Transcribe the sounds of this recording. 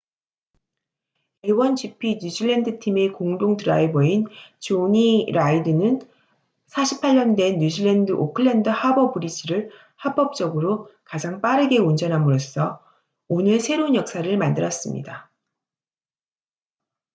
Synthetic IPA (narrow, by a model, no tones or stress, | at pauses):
e̞wʌnd͡ʑipʰiɲud͡ʑiɭːendɯtʰime̞koŋdoŋdɯɾaibʌint͡ɕoɲiɾaidɯnɯn | sʰaɕʰi̥pʰaɭːʌndwe̞nːjud͡ʑiɭːendɯʔokʰɯɭːendɯhabʌbuɾiɕʰiɾɯɭ | hap͈ʌp̚t͡ɕ͈ʌɡɯɾokad͡ʑaŋp͈aɾɯɡe̞und͡ʑʌnɦamɯɾos͈ʰʌ | onɯɭsʰe̞ɾounjʌk̚s͈aɾɯɭmandɯɾʌs͈ɯmɲḭda